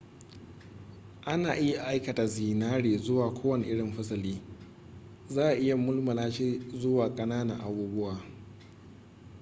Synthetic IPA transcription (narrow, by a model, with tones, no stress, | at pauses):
ʔa˦naː˨ʔɪ˦ja˨ʔa˨ʔa˦jkɐ˨ta˨ziː˨naː˦ɽeː˨zʊ˦waː˨kʷʰoː˦wɐ˦˨nɪ˨ʔɪ˦ɽɪ˨mɸɐ˦sɐ˨liː˦ | zaː˦ʔa˨ʔɪ˦ja˨mʊ˦lmɐ˨laː˦ʃiː˦zʊ˦waː˨kʼɐ˦naː˦na̰˨ʔa˨buː˦bʊ˦waː˨